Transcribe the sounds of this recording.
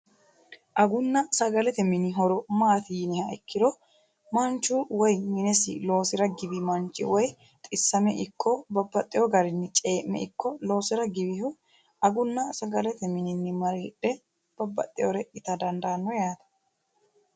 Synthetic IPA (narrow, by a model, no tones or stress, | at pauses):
ʔɐɡʊnːɐsɐɡɐlɛt̪ɛmɪnɪɦɔɾɔmaːt̪ɪjnɪhɐɛkːɪd̪ɔ | mɐnt͡ʃːuwɔjmɪnɛsɪ̰lo̞ːsɪɾɐɡɪbɪmɐnt͡ʃʼːɪ̰wɔj | t̪ʼɪsːɐmɛʔɪkʰːɔbɐbːɐt̪ʼːɪjɔɡɐɾɪnːɪt͡ʃʼe̞ːʔːɛ̰ɪkːɔlo̞ːsɪɾɐɡɪbɪhʊ | ɐɡʊnːɐsɐɡɐlɛt̪ɛmɪnɪnːɪmɐɾiːᶑɛ | b̥ɐbːɐ̰t̪ʼːɪjɔɾɛɪt̪ɐd̪ɐnd̪aːnːɔjaːt̪ɐ̥